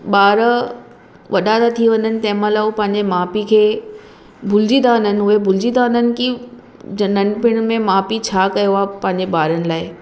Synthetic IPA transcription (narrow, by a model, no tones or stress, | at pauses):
ɓaːɾə | ʋɐɗat̪at̪ʰiʋɐ̃ɲənɪ̆t̪ɐ̃ɦɪ̃mãlaːupɐ̃ɦɪ̃ɲd͡ʑemaːpikʰeː | bʱʊld͡ʑid̪aʊnənɪ̆ɦʊebʱʊld͡ʑid̪aʊnənɪ̆ki | d͡ʑɐnɐnpɪɽ̃mẽmaːpit͡ɕʰaːkɐjoaːpɐ̃ɦɪ̃ɲd͡ʑeɓaːɾənɪ̆laːɪ